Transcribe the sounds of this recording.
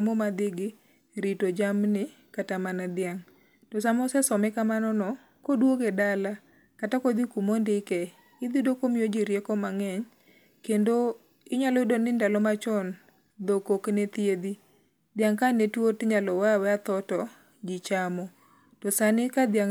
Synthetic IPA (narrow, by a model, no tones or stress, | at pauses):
momad̪ɪɡɪ | ɾitod͡ʒamnɪ | katamanad̪ɪjaŋ | tɔsamɔsɛsɔmɛkamanɔnɔ | kodwoɡedala | katakod̪ikumondɪkɛ | ɪd̪idokomijod͡ʒiɾjekɔmaŋɛɲ | kendo | ɪɲalɔdonɪndalɔmat͡ʃɔn | d̪okoknet̪jed̪i | d̪ɪaŋkanetwotɲalɔwawɛat̪ɔtɔ | d͡ʒɪt͡ʃamɔ | tɔsanɪkad̪jaŋ